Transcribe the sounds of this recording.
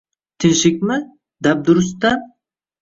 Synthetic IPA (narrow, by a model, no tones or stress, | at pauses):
t̪ʰɪnʃɪk̚ʲmɪ | d̪æp̚d̪ʊɾʊst̪a